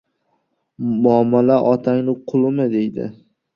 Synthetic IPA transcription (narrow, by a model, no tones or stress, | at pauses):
mʊamalaʔɒt̪ʰaŋnɪqʰʊlˠɪmɪd̪e̞jd̪ɪ̰